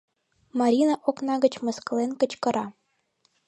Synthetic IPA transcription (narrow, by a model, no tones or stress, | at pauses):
mɑɾʲinɑʔoknɑɡə̆t͡ɕmɤ̆skɤ̆lenkə̆t͡ɕkɤ̆ɾɑ